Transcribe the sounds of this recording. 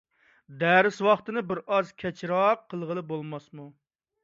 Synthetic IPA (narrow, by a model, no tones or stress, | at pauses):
d̪æɾɪswɑχt̪ɨnɨbɪɾɑzkʲʰɛt͡ʃʰɾɑqʰːəlˠʁəlˠɨbolˠmɑsmu